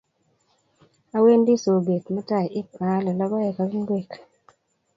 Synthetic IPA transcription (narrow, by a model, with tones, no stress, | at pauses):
a˦we˦ndi˦so˨ɡe˨t̪mɛ˦ta˦˨jɪ˦pa˨˦lɔ˨lɔ˦bɔ˦ɛ˨ka˦ɡŋ˦ɡwe˦˨k